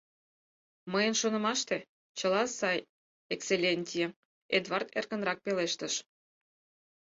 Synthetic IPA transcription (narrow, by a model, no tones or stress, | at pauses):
məjənʃonə̆mɑʃt̪e | t͡ɕə̆lɑsɑj | ekselʲenʲtʲije | ed̪vɑrt̪ḛrkə̆nrɑk̚peleʃt̪əʃ